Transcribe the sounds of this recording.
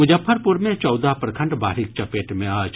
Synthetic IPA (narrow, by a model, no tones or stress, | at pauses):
mʊd͡ʒəfʰːəɾpʊɾmẽt͡ʃɔːd̪apɾkʰɐ̃ɳɖba̰ːɾik̚t͡ʃɐpeːʈmẽaːt͡ʃ